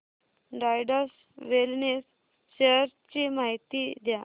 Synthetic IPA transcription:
ɖajɖəɾs | ʋelnes | ɕeəɾt͡ɕimaɦit̪id̪ja

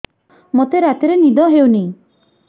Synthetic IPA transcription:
mot̪eɾat̪iɾenid̪ɔɦewni

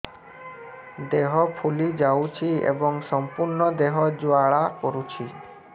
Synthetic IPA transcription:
d̪eɦɔpʰulid͡ʒawt͡ʃʰiḛbɔŋsɔmpuɾɳɔd̪eɦɔd͡ʒuaɭakɔɾut͡ʃʰi

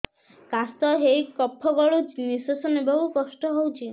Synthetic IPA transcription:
kast̪ɔɦejkɔpʰːɔɡɔɭunisosɔnebɔɦukɔsʈɔɦowt͡ʃʰi

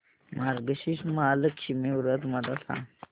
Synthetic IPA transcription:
maɾɡəɕiɕmaləkɕimiwɾət̪mad̪asã̰

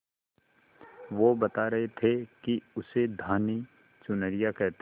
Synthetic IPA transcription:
ʋobɐt̪aɾɐɦet̪ʰekiʊsed̪ʱaːni | t͡ʃʊnəɾijakɛɦt̪

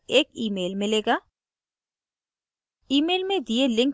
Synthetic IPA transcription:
eːkiːmeːlmɪleːɡaː | iːmeːlmẽd̪ijelɪ̃ŋk

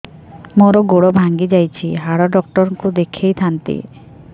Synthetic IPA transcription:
moɾɔɡoɽɔbʱaŋɡid͡ʒajt͡ʃʰiɦaɽɔɖɔk̚ʈɔɾɔŋkud̪ekʰejt̪ʰant̪ḭ

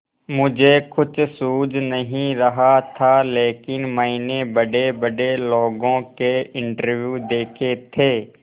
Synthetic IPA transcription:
mʊd͡ʒʱekʊt͡ʃʰsuːd͡ʒnəɦĩɾəɦat̪ʰaleːkɪnmainebəɖebəɖeloːɡõkeɪ̃ɳʈəɾʋjuːd̪eːkʰet̪ʰeː

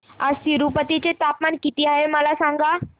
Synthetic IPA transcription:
asiɾupət̪it͡set̪apmaɳkit̪iːaɦeməlasãŋɡa

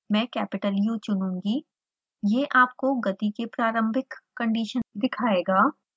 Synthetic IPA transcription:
mɛ̃ːkɛːpɪʈəlijũt͡ʃʊnũːŋɡi | jeʔaːp̚koɡɐt̪ikepɾaːɾə̃mbʱɪkːɐ̃ɳɖiːʃənd̪ɪkʰaːeːɡaː

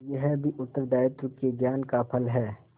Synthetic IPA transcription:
jəɦbʱiʔʊt̪ːəɾd̪aːjət̪ɾʊkeɡjaːnkapʰəlɦɛː

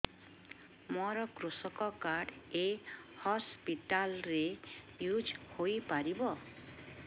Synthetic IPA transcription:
mɔɾɔkɾusɔkɔkaɾɖehɔspiʈalɾe | jud͡ʒhojpaɾibɔ

